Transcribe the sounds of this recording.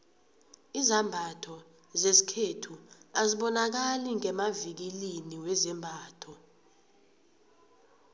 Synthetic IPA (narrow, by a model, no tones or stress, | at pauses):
izambʱatʰɔ | zesi̥kʰetʰuaziɓɔnak̬aliŋɛmavik̬iliniwɛzɛmbʱaːtʰɔ